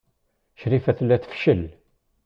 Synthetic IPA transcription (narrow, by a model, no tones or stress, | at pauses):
ʃɾifæθlæθə̥fʃəl